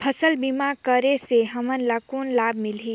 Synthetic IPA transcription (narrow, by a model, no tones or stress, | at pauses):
pʰəsəlbimakəɾeseɦəmənlakunlabmilɦi